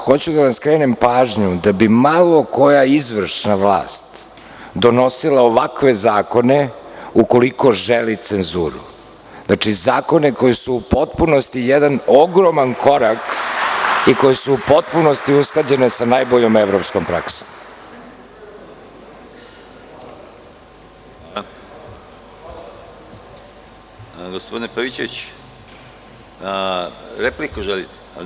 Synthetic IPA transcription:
xo̞t͡ɕud̪anaskɾeːnempaːʒɲud̪abimalˠo̞ko̞jaizʋr̩ʂnaʋlˠa̰ːst̪ | d̪o̞no̞silˠaoʋakʋezaːko̞neuko̞liko̞ʒelit̪senzuːɾṵ | znat͡ʂizaːko̞neko̞jɛsuːpo̞t̪punost̪ijɛd̪anoɡɾomankʰo̞ɾak | iko̞jesuːpo̞t̪̚puno̞st̪iusklˠad͡ʑe̞ne̞sanaːjboʎo̞meʋɾopsko̞mpɾa̰ksom | ɡospod̪inepaʋit͡ɕeʋit͡ɕ | ɾeplikuʒelit̪

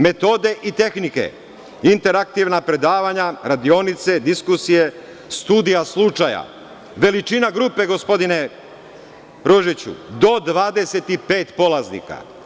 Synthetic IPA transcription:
me̞t̪o̞d̪e̞ʔit̪e̞xnikḛ | int̪e̞ɾak̚t̪iʋnapɾe̞d̪aːʋaɲaɾad̪io̞nit̪se̞d̪iskusije̞ | st̪uːd̪ijaslˠut͡ʃaja̰ | ʋe̞lit͡ʃinaɡɾuːpe̞ɡo̞spo̞d̪ine̞ | ɾoʒit͡ɕṵd̪o̞d̪ʋaːd̪e̞se̞t̪ipe̞ːt̪po̞laznḭka̰

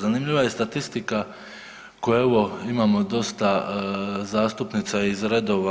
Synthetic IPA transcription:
zanimʎiʋaje̞st̪at̪ist̪ika | kojeoʋo̞imaːmo̞d̪o̞st̪a | zaːst̪upnit̪saizɾe̞d̪o̞ːʋa

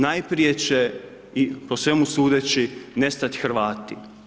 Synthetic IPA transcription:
najpɾije̞t͡ɕe | ipo̞sʋe̞musuːd̪et͡ɕine̞st̪at̪xɾʋaːt̪i

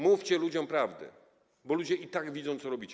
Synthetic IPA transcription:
mufʲt͡ɕɛlud͡ʑɔ̃mpɾavd̪ɘ̰ | bɔlud͡ʑɛʔit̪aɡvʲid̪zɔ̃w̃t̪sɔɾɔbʲit͡ɕɛ

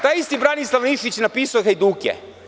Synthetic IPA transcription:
t̪aːjist̪ibɾanislˠaʋniʃit͡ɕnapiːsujeɡaid̪uːkʲjḛ

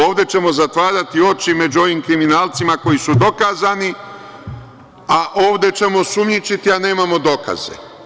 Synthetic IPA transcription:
oːʋd̪e̞t͡ʃe̞mo̞zat̪ʋaːɾat̪io̞t͡ʃime̞d͡ʒuo̞ʋimkɾiminaːlt̪simako̞jisud̪o̞kaːzani | aʔo̞ːʋd̪e̞t͡ʃe̞mo̞sumɲit͡ʃit̪iane̞ːmamo̞d̪o̞ka̰zḛ

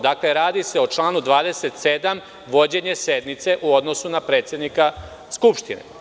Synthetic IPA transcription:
d̪akle̞ɾaːd̪iseo̞t͡ʃlaːnud̪ʋaːd̪e̞se̞t̪se̞d̪am | ʋo̞d͡ʑe̞ɲe̞se̞d̪mit̪se̞ʔuo̞d̪no̞sunapɾe̞ːt̪sjed̪nika | skupʃt̪inḛ

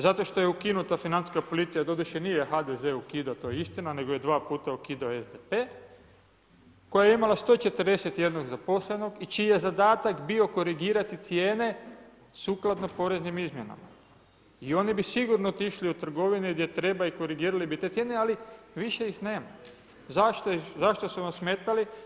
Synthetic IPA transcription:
zat̪o̞ʃt̪o̞je̞ukinut̪afinant̪iskapo̞lit̪sijad̪o̞d̪uʃenijexad̪eze̞ːukid̪at̪oːjeist̪inane̞ɡo̞jed̪ʋaːpuːt̪aukid̪aoezd̪epe̞ | ko̞jajeimalast̪o̞ːt͡ʃe̞t̪rd̪e̞set̪je̞d̪no̞ɡzapo̞sle̞no̞ɡit͡ʃiːjezad̪aːt̪akbio̞ko̞ɾiɡiːɾat̪it̪sjeːne̞ | suːklˠad̪no̞po̞ɾe̞znimizmjena̰ma | io̞nibisiɡuɾnoot̪iʃliut̪r̩ɡo̞ʋiniɡd̪je̞t̪ɾe̞baiko̞ɾiɡiːɾalibit̪e̞t̪sjenealiʋiʃe̞jixne̞ːma | zaʃt̪zaʃt̪osuʋamsmeːt̪ali

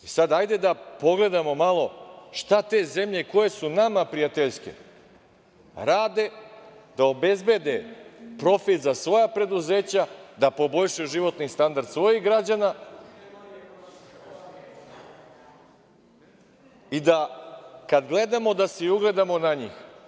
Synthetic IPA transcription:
isad̪ajd̪e̞d̪apo̞ɡle̞d̪amo̞malˠo̞ʃt̪at̪e̞ːze̞mʎeko̞je̞sunamapɾijat̪eʎskḛ | ɾaːd̪e̞ | d̪̥aobe̞zbe̞d̪e̞pɾo̞fit̪zasʋo̞japɾe̞d̪uze̞ːt͡ɕad̪apo̞bo̞ʎʲʃujuʒiʋo̞t̪nist̪and̪aɾd̪sʋo̞jiɣɡɾad͡ʑana | id̪akad̪ɡle̞d̪amo̞d̪aseiuɡle̞d̪amo̞naɲix

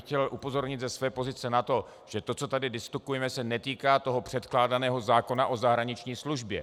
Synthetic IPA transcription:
xcɛlʔupo̞zo̞ɾɲɪt̪zɛsvɛːpo̞zɪt͡sɛnat̪o̞ | ʒ̥ɛt̪o̞t͡so̞t̪adɪdɪsk̪ukujɛmɛsɛnɛt̪iːkaːt̪o̞ɦo̞pr̥ɛt̪klaːdanɛːɦo̞zaːko̞naʔo̞zaɦɾaɲɪt͡ʃɲiːsluʒbjɛ̰

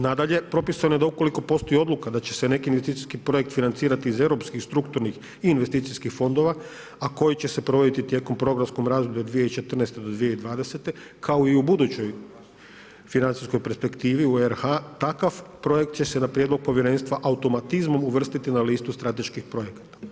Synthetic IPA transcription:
nad̪aʎe̞pɾo̞pisanojed̪aukoliko̞po̞st̪o̞jio̞d̪lˠukad̪at͡ɕese̞ne̞kiinʋest̪it̪iskipɾo̞jek̚t̪finant̪siːɾat̪iːze̞ʋɾo̞pskixst̪ɾukt̪uɾnix | iːnʋest̪iːt̪sijskixfo̞nd̪o̞ʋa | ako̞jit͡ɕe̞se̞pɾo̞ʋod̪it̪it̪je̞ko̞mpɾo̞ɡɾamsko̞mɾaːzd̪objed̪ʋijeit͡ʃe̞t̪r̩nest̪ed̪od̪ʋijeid̪ʋaːd̪e̞se̞t̪e̞ | kʰaoiubud̪ut͡ɕo̞j | finant̪sisko̞jpe̞ɾspe̞kt̪iːʋiueɾhat̪akaʋpɾo̞je̞kt̪t͡ɕe̞se̞napɾjed̪lo̞ɡ̚po̞ʋʲje̞ɾe̞nst̪ʋaʔaut̪o̞mat̪izmo̞muʋr̩st̪it̪inaliːst̪ust̪ɾat̪e̞ʃkixpɾo̞jekḁt̪ḁ

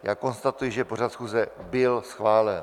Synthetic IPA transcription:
jaːko̞nst̪at̪ujɪʒɛpo̞r̝at̪sxuːzɛbɪlsxvaːlɛn

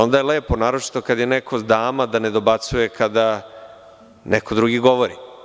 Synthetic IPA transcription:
o̞nd̪ajeleːponaːɾot͡ʃi̥t̪o̞kad̪jenekʰo̞zd̪aːmad̪aned̪o̞bat̪suje̞kʰad̪a | nekod̪ɾuɡiɡo̞ʋoɾi

